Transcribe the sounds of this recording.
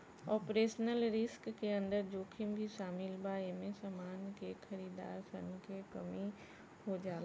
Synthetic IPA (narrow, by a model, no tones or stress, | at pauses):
ɔːpɾeːʃnəlɾɪskːeə̃nd̪əɾd͡ʒoːkʰɪmbʱiʃaːmɪlbaːemẽsamaːnkexʰɐɾiːd̪a̰ːɾkə̰nkekəmi | hod͡ʒaːla